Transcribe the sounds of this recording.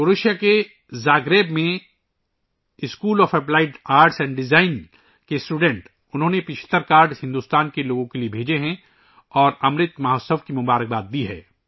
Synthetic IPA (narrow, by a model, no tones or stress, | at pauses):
oɾɪʃjake | zaːɡɾeːbmẽ | ɪskuːlɔːfɛplaːɪʈaːɾʈsɛ̃ːɳɖɖɪzaːɪn | kesʈuːɖɛ̃ɳʈ | ʊnɦõːnepɪʃʰə̥t̪əɾkaːɾɖhɪ̃nd̪uːst̪aːnkeloːɡõkeliebʱeːd͡ʒeɦɛ̃ | ɔːɾɐmɾɪt̪maɦosəʋkimʊbaːɾək̚baːt̪̚d̪iɦɛ̰ː